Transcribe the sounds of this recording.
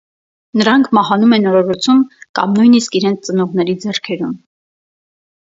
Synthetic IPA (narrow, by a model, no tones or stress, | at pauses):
nəɾɑŋkʰmɑhɑnumɛnɔɾɔɾɔt͡sʰumkɑ̰mnujniskiɾɛnt͡sʰt͡sənɔʁnɛɾid͡zɛrkʰɛɾum